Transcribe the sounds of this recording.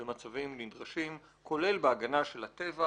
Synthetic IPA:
emat͡savimlidʁaʃim | kʰo̞le̞lbeaɡanaʃe̞lhat̪e̞va

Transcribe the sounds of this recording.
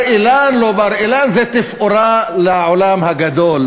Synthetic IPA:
ʔilanlobaɾʔilanzet̪ɪfʔuɾalaʕolamhaɡad̪ol

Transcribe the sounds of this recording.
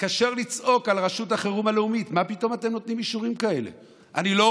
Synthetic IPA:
kaʃe̞ʁlit͡sʔo̞kalʁaʃuthaχeʁumaleumitmapito̞mate̞mno̞t̪nimiʃuʁimkae̞lḛ | ʔa̰nilo

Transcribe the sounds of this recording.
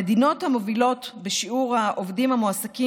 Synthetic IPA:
ed̪ino̞thamo̞vilo̞tbeʃiuʁhaʔovdimhamoasaki

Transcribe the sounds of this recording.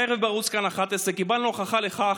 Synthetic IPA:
eʁevbaʁut͡skanaχat̪esʁekibalnoχaχaleχa

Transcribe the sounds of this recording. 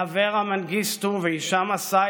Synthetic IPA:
aveʁamanɡist̪uveiʃamasa

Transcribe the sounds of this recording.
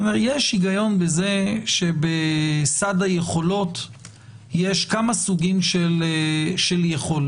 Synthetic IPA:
omeʁjeʃiɡajo̞nbeze̞ʃebesadajeχo̞lo̞t | jeʃkamasuɡimʃelʃeljeχo̞l

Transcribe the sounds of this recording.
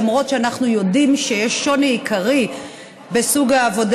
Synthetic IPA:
mʁo̞tʃeanaχnujo̞dimʃejeʃːo̞niikaʁi | be̞suɡaːvo̞d

